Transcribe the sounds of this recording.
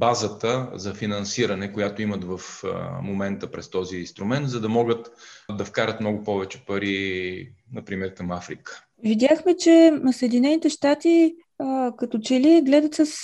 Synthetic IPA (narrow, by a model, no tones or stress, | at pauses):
bazət̪əzɐfinɐnsiɾɐnɛkʊjat̪oimət̪vɐfmomɛnt̪əpɾɛst̪ɔziːnst̪ɾʊmɛnt̪zɐd̪ɐmɔɡət̪d̪ɐfkaɾət̪mnɔɡʊpɔvɛt͡ʃɛ̥pɐɾi | nɐpɾimɛɾkɐmafɾikə̥ | vid̪ʲjaxmɛt͡ʃɛsəɛd̪inɛnit̪ɛʃt̪at̪i | kɐt̪ot͡ʃɛliɡlɛd̪ət̪səs